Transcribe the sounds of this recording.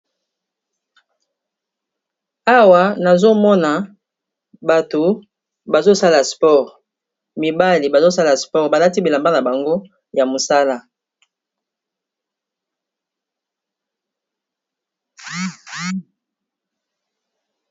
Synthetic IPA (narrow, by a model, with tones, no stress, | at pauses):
a˦wa˨na˨zo˦mɔ˦na˨ | ba˨to˨ | ba˨zo˦sa˦la˨spɔ˦˨ʁ | mi˨ba˦li˨ba˨zo˦sa˦la˨spɔ˦ʁba˨la˦ti˦bi˨la˨mba˦na˨ba˨ŋɡo˦ | ja˨mo˨sa˦la˦